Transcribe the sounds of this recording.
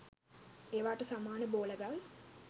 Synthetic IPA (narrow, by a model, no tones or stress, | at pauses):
eːʋaːʈəsamaːnəboːləɡaʋ